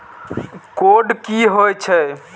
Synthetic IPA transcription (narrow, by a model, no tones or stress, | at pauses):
koɖkiɦojt͡ʃʰɛ